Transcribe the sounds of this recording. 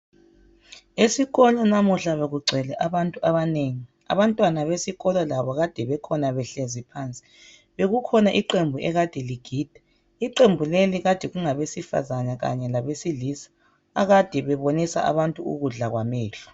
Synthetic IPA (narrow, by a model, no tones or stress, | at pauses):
esiɣɔlɔnamuɬaβeɣuɡ͡ǀʱɛlɛʔaβantʼuaβaneŋi | a̰βantʼwanaβesiɣɔlɔlaβɔɣad̥ʱɛβɛkʰɔnaβɛɬezipʰant͡sʼi̥ | βeɣukʰɔnaʔiǃembʱuɛɣad̥ʱɛliɡ̥ʱiːd̥ʱɛ | iǃembʱuleliɣad̥ʱɛɣuŋaβesifa̰zanaɣa̰ɲɛlaβesilisḁː | ɣad̥ʱɛβɛβonisa̰ʔa̰βantʼuṵɣuɮaɣwamɛːɬɔ̥